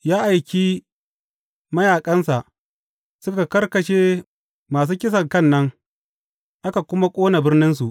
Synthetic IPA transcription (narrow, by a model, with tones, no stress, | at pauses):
jaː˦ʔa˨jkʲiː˦ | mɐ˦jaː˨kʼɐ˦nsa˨ʔ | sʊ˦ka˨kɐ˦rkɐ˨ʃeː˦ | maː˨s̬uː˦kʲɪ˦s̬ɐ˨ŋkɐ˦˨nːɐ˦ŋ | ʔa˦ka˨kʷʊ˦ma˦kʷʼoː˦na˨bɪ˦rnɪ˦nsu˨ʔ